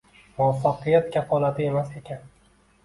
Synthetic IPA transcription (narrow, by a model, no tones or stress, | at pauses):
mʊafːaqɨjat̪̚kʲʰafɒlˠat̪ʰɪe̞mase̞kʲʰan